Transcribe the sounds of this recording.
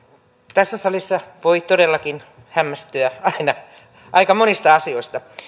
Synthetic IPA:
t̪æsːæsɑlisːɑʋoit̪odelːɑkin | hæmːæst̪yæɑinɑ | ʔɑikɑmonist̪ɑɑsioist̪ɑ

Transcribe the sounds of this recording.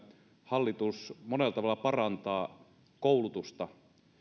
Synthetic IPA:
hɑlːit̪usmonelːˑɑt̪ɑʋɑlːˑɑpɑrɑnt̪ɑː | koulut̪ust̪ɑ

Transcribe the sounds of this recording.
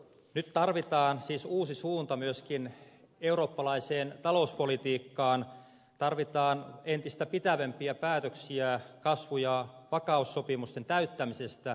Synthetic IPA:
nyt̪t̪ɑrʋit̪ɑːnsiːsuːsisuːnt̪ɑmyøskin | euɾo̞ːpːɑlɑiseːnt̪ɑlouspolit̪iːkːɑːn | t̪ɑrʋit̪ɑːnent̪ist̪æpit̪æʋempiæpæːt̪øksiækɑsʋujɑʋɑkɑusːopimust̪ent̪æyt̪ːæmisest̪æ

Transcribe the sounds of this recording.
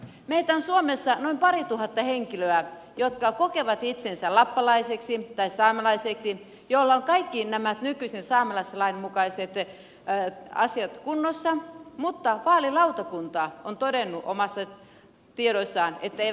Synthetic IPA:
meit̪æonsuomesːɑnoimpɑɾit̪uhɑt̪ːɑheŋkiløæ | jot̪kɑkokeʋɑt̪it̪sensælɑpːɑlɑiseksit̪ɑissɑːmɑlɑiseksi | jolːɑoŋkɑikːinæmæt̪nykyisensɑːmɑlɑselɑinmukɑiset̪ | ɑ̰siɑt̪kunːosːɑmut̪ːɑʋɑːlilɑut̪ɑkunt̪ɑont̪odenːuʔomɑsːɑ | t̪ieɾosːɑːnet̪ːæe

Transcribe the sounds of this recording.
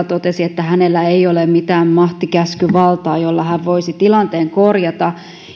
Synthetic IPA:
t̪ot̪esiet̪ːæhænelːæeiolemmit̪æːmmɑht̪ikæskyʋɑlt̪ɑːjolːɑhæʋʋoisit̪ilɑnt̪eːŋkorjɑt̪ɑ

